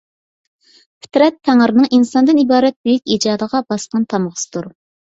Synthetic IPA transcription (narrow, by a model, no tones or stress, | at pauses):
pʰɪ̥t̪ɾɛt̪ʰːæŋəɾnɨŋʔinsɑnd̪ɨnibɑːɾɛt̪̚b̥yjykʲid͡ʒɑːd̪əʁɑbɑsqɑnt̪ʰɑmʁəsɨ̥t̪ʰuɾ